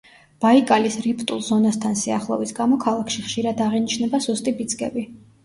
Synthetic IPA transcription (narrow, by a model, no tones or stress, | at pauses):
b̥aikʼalisɾipʰt̪ʼulˠzɔnast̪ʰansiaχlˠɔ̰visɡamɔkʰalˠakʰʃiχʃiɾad̪aʁinit͡ʃʰnɛbasust̪ʼibid̪zɡɛ̰bi